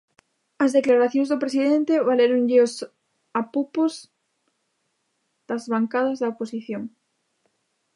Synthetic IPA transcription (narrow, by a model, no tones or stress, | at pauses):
ɐzðeklaɾaθjõŋzðopɾesiðẽnt̪eβaleɾoŋʎɪos | apupoz | d̪̥azβaŋkaðɐzðɐoposiθjoŋ